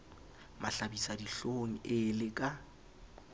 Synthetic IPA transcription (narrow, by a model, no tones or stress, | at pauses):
maɬabisadiɬoŋ̩ɪlɪkʼa